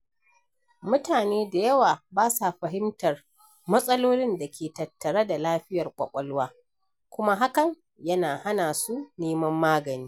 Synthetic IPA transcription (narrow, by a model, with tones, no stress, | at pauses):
mʊ˦taː˨neː˦da˨jɐ˦waː˨baː˦sa˨ɸɐ˨ɦɪ˦mtɐ˨r | mɐ˦sʼɐ˦loː˦lɪ˦nda˨kʲʰeː˨tɐ˨tːɐ˨ɽa˦da˨laː˦ɸɪ˦jɐ˨rkʷʼɐ̰˨kʷʼɐ˦lwaː˦ | kʷʊ˦ma˦ɦa˦kɐ˨ŋ | jɐ˦naː˨ha˦naː˨su˦neː˦mɐ˦mːaː˦ɡɐ˨niː˦